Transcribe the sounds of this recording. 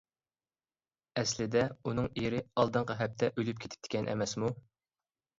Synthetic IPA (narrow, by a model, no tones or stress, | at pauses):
ɛslɪd̪ɛunɨŋiɾɪɑlˠd̪ɨɴqʰɑɦɛp̚t̪ʰɛʔølyp̚kʲʰe̥t̪ʰɪ̥pt̪ʰɪ̥kʲʰɛnʔɛ̰mɛsmu